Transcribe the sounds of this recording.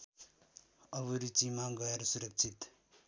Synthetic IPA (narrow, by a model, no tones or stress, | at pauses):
ʌβuɾit͡simaɡʌjeɾsuɾʌk̚t͡ʃʰit̪